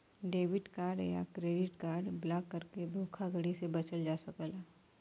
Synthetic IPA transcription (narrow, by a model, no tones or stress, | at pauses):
ɖeːʋɪʈkaːɾɖja̰kɾeːɖɪʈkaːɾɖblaːkːɐɾked̪ʱoːkʰaɡəɽisebɐt͡ʃəld͡ʒaːsəkəlaː